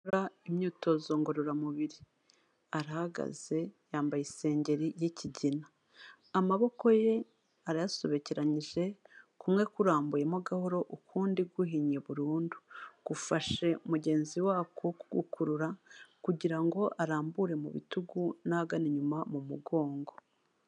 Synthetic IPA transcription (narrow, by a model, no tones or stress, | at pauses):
ɾaimɲuːto̞zo̞ŋɡoɾuɾamuβiɾi | aɾahaɡa̰z̥e̞jaːmbajise̞ːɲɟe̞ɾijiciɟinaː | maβo̞ko̞je̞ | aɾajaso̞βe̞ceɾaɲiʒe̞kumŋe̞kuɾaːmbuje̞moɡahoɾo̞ʔukʰuːndiɡwuɦiɲe̞βuɾuːndu̥ɡ̥ufaʃe̞omuɟe̞ːnziwaːkʰokuɡṵkʰuɾuɾakuɟiɾaŋɡo̞ʔaɾaːmbuɾe̞mṵβḭtuɡunaɡaniɲumamumuɡo̞ːŋɡo̞